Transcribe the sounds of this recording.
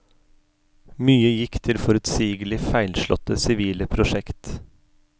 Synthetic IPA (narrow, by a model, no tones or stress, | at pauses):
myːəjɪkt̪ʰɪlfɔɾʉt̪siːɡəlɪfæɪlʃɭɔ̰t̪ːəsɪʋiːləpʰɾʊʃɛkt̪